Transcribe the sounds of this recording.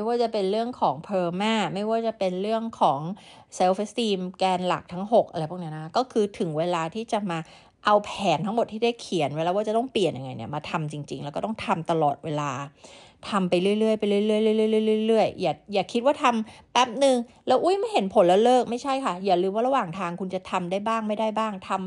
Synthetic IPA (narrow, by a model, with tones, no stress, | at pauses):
jwaː˥˩t͡ɕa˨˩pe˧nɾɯ˥˩əŋkʰɔː˩˦ŋpʰɤː˧maː˥˩ma˥˩jwaː˥˩t͡ɕa˨˩pe˧nɾɯ˥˩əŋkʰɔː˩˦ŋ | se˧wfe˦˥st̪iː˧mkɛː˧nla̰˨˩k̚t̪ʰa˦˥ŋɦo˨˩k̚ʔa˧ɾa˧jpʰa˨˩k̚ni˦˥na˦˥kʰa˦˥kɔː˥˩kʰɯː˧t̪ʰɯ˩˦ŋweː˧laː˧t̪ʰiː˥˩t͡ɕa˨˩maː˧ | ʔa˧wpʰɛː˩˦nt̪ʰa˦˥ŋmo˨˩t̪ʰːiː˥˩da˥˩jkʰi˨˩˦ənweː˧laː˧waː˥˩a˨˩t̪ɔ˥˩ŋpli˨˩ənja˧ŋːa˧jni˥˩ɐmaː˧t̪ʰa˧mt͡ɕi˧ŋt͡ɕi˧ŋlɛ˦wkɔ˥t̪ɔ˥˩ŋt̪ʰa˧mt̪a˧lɔ̰ː˨˩t̪̚weː˧laː˧t̪ʰa˧mpa˧jɾɯ˥˩əjlɯ˥˩əjpa˧jlɯ˥˩jlɯ˥˩əjlɯ˥˩˨lɯ˥˩˨jlɯ˥˩˨jlɯ˥˩jlɯ˥˩əjːaː˨˩k̚jaː˨˩kʰːi˦˥t̪̚waː˥˩t̪ʰa˧mpɛ˦˥p̚nɯ˧ŋ | lɛː˦˥wʔu˦˥˩jma˥˩jɦe˩˦npʰo˨˩˦nlɛ˦˥wlɤː˥˩k̚ma˥˩jt͡ɕʰa˥˩jkʰa˥˩jaː˨˩lɯː˧mwaː˥˩ɾa˧waː˨˩ŋt̪ʰaː˧ŋkʰu˧nt͡ɕa˨˩t̪ʰa˧mdaː˥˩jbaː˥˩ŋma˥˩jda˥˩jbaː˥˩ŋt̪ʰa˧m